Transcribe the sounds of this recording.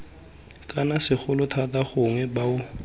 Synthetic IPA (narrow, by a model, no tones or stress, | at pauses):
kʼanasɪχʊlʊtʰataχʊŋwɛbaʊ